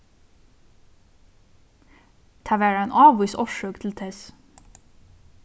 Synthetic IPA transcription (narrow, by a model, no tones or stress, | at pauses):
t̪ʰæʋæːɖænʔɑːʋʊsɔʃøːkt̪ʰl̩t̪ʰɛs